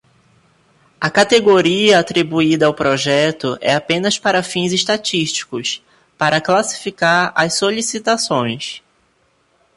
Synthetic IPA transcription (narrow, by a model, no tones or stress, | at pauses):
ɐkat̪eɡoɾiɐat̪ɾibuid̪ɐawpɾɔʒɛt̪ʊʔɛ̰apẽnɐspaɾɐfĩzeʃt̪at͡ʃiʃt͡ʃi̥kʊs | paɾɐklasi̥fikaɾɐssolisit̪asõj̃s